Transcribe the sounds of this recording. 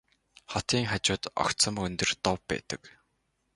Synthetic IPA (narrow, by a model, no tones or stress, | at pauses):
χɔt̪iːŋχat͡ɕʊːt̪ɔ̰kt̪sə̆mɵnt̪ɵ̆rt̪ɔwːæ̰ːt̪ə̆k